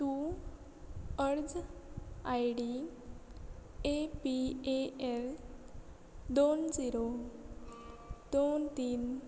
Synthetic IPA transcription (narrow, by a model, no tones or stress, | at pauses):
t̪u | əɾd͡z | ajɽi | epieel | d̪ond͡ziɾo | d̪ont̪iːn